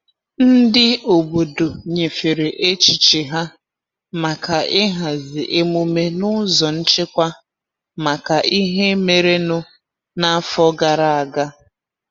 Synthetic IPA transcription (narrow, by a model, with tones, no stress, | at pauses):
n̩˦dɪ˦o˨bo˨do˨ɲe˨fe˨ɾe˨ʔe˦t͡ʃi˨t͡ʃɪ˨ɦa˦ | ma˨ka˨ʔɪ˦ɦa˨zɪ˨ʔe˦mu˦me˦nʊ˦zɔ˨n̩˦t͡ʃɪ˦kʷa˦ | ma˨ka˨i˦ɦe˦me˨ɾe˦nʊ˦ | na˦a˦fɔ˦ɡa˨ɾa˦a˨ɡa˦